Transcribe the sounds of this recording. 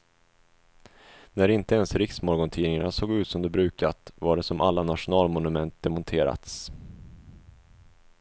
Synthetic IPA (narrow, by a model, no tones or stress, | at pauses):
næɾɪnt̪əɛnsɾɪksmɔɾɡɔnt̪ʰiːnɪŋanasoːɡʉ̟ːt̪sɔmd̪ɛbɾʉ̟ːkat̪vaɖɛsɔmʔalːanaʂʊnɑːlmɔnɵmɛnt̪̚d̪ɛmɔnt̪ʰeːɾa̰t̪s